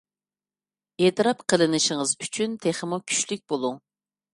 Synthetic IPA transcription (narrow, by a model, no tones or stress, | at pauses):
et̪ɨɾɑpqʰəlˠɨnɨʃɪŋəzyt͡ʃʰynt̪ʰeχəmukʲʰy̥ʃlyk̚ʲbolˠuŋ